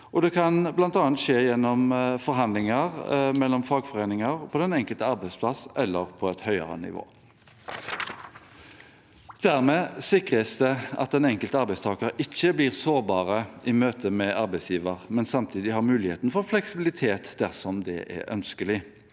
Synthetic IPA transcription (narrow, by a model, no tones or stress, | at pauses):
ʔɔd̪ɛkʰɑnblɑnt̪ɑːɑnt̪ʃeːjɛnːɔmfɔɾɦɑnlɪŋɑʁmɛlːɔmfɑːɡfɔʁeːnɪŋəʁpʰɔd̪ɛnɛŋkəlt̪əɑɾbæɪspʰlɑsʔɛlːəʁpʰɔɛt̪hœʏə̰ʁə̰nɪ̰ʋo̰ː | d̪̥æʁmɛːsɪkʁəsd̪ɛɑ̰t̪ɛnɛŋkəlt̪əɑɾbæɪst̪ʰɑːkəɾʔɪçːəbliːʁsoːʁbɑːʁəɪmøːt̪ʰəmɛʔɑɾbæɪsjiːʋəʁmɛnsɑmt̪ʰiːd̪ɪhɑʁmʉːlɪheːt̪nfɔʁflɛksɪbɪlɪt̪ʰeːt̪d̪æʁsɔmd̪ɛ̰ʔɛ̰œ̰nskəlɪ